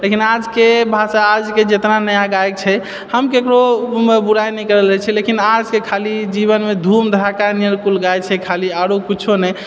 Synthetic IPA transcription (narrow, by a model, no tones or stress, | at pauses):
lekinad͡ʒkebʱasaːd͡ʒked͡ʒet̪nanəjãɡajk̚t͡ʃʰɛ | həmkekɾobuɾajnɛkəɾəlɛt͡ʃʰɛlekinad͡ʒkekʰalid͡ʒiβənmed̪ʱumd̪ʱɾakaniɾkulɡajt͡ʃʰɛkʰaliaɾokit͡ʃʰonɛj